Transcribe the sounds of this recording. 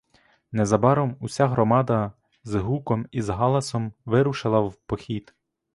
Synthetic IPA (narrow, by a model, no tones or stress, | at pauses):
nɛzɐbɑɾɔmusʲaɦɾɔmɑd̪ɐ | zɦukɔmizɦɑlˠɐsɔmʋɪɾʊʃɪlˠɐwpɔxʲid̪